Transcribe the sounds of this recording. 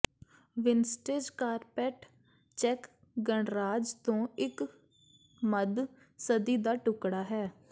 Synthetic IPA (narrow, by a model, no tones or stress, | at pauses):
ʋɪnsʈeːd͡ʒkaːɾpɛːʈ | t͡ʃɛk | ɡəɳɾaːd͡ʒt̪õːɪk | məd̪ | səd̪iːd̪aːʈʊkɽaːɦɛː